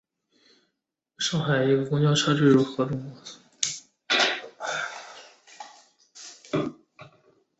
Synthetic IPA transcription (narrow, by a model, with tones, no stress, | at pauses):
ʂɑ˥˩ŋxa˨˩ɪi˧˥ɡə˧kʊ˥ŋt͡ɕjɑ˥ʊʈ͡ʂʰɤ˥ʈ͡ʂɻ̩˥˧ɻu˥˩xɤ˧˥t̪ʊ˥˩ŋkwɔ˧˥˧